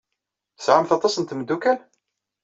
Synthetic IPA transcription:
θəsʕamθɑt̪ˤɑsənt̪məd̪ːukæn

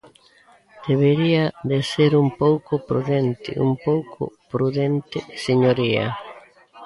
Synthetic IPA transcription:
d̪̥eβeɾiaðeseɾumpowkʊpɾuðent̪ɪ̰ʔṵmpowkʰʊ̰pɾuðent̪ɪseɲoɾia̰

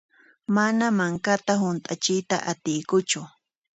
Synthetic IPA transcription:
manamaŋkat̪aɦʊnt̪ʼat͡ʃɪjt̪aʔat̪ɪjkʊt͡ʃʊ

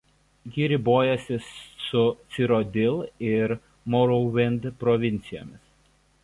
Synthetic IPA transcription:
jɪɾʲɪboːjɛsʲɪsːʊt̪sʲɪɾɔd̪ʲɪlˠɪɾ | mɔɾɔʋʲɪnʲd̪pɾɔʋʲɪnʲt̪sʲɪjo̰ːmʲɪs

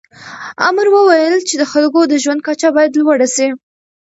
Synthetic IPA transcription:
a̰mɾwəwajəlt͡ʃed̪əxalɡod̪əʒwand̪̚kat͡ʃabɑjad̪lwəɽasi

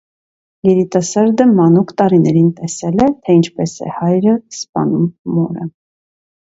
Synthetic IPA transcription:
jɛɾit̪ɑsɑɾd̪əmɑnukt̪ɑɾinɛɾint̪ɛsɛlɛt̪ʰɛint͡ʃʰpɛsɛ̰hɑjɾəspɑ̰numːɔɾə

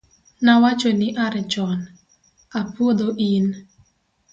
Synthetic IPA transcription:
nawat͡ʃonɪʔaɾɛt͡ʃɔn | apwod̪oʔin

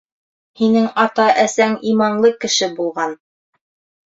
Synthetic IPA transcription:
hinɘŋɑt̪ɑʔæsæŋimɑnlˠɤkɘ̆ʃɘbulˠʁɑn

